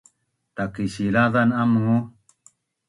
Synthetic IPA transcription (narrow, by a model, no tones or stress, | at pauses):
t̪akiɕilaðanamhu